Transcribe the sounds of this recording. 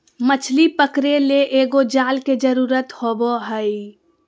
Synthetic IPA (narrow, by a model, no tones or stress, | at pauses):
mət͡ʃʰlipəkɾeleʔeːɡod͡ʒaːlked͡ʒəɾuːɾət̪hoːboɦəi